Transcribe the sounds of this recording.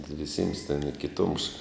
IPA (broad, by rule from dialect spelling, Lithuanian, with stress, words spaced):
ʋʲɪˈsʲɪms tʲɛn ɪ kʲɪˈtʊms